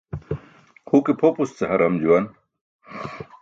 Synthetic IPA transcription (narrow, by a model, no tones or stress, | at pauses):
hukipʰopust͡sehɐɾɐmd͡ʑuwɐn